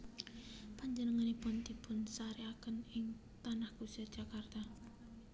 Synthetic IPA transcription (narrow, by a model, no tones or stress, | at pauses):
paɲd͡ʒənəŋanipʊnt̪ipʊnsaɾiakənɪŋ | t̪anahɡ̥usad̥ʒ̥akart̪a